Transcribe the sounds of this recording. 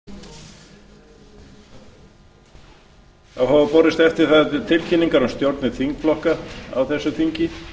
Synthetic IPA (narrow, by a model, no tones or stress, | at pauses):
awhapɔɾɪst̪ɛft̪ɪɾ̥θaðɪt̪ʰɪlcʰɪnːiŋkaɾɔmst̪jowɾt̪nɪθiŋkflɔhkaa̰wθɛsːʏθiɲcɪ